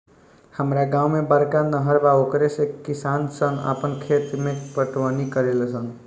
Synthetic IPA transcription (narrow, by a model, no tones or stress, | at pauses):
həmɾaɡãumebəɾkanəɦəɾbaokɾesekisansənə̰pənkʰet̪mepəʈʋənikəɾelsən